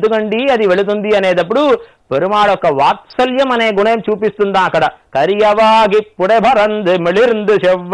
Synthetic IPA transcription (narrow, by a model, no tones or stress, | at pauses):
d̪ɯkɐɳɖiːɐðiʋɛɭɯt̪und̪iɐneːd̪ɐp̬ːɐɽu | pɛɾɯmaːɽɔkːɐʋaːtsɐljɐmɐneːɡʊɳɐjɐmt͡ʃuːp̬ːist̪und̪ãːkːɐɽɐkɐɾijɐʋaːɡipːʊɽɐbʱɐɾɐnd̪ɯmɛɭiɾnd̪ɯʃɛʋː